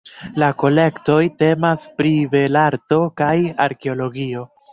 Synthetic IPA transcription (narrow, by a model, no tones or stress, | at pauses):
lako̞le̞kto̞jte̞maspɾive̞laɾto̞kajaɾke̞o̞lo̞ɡio̞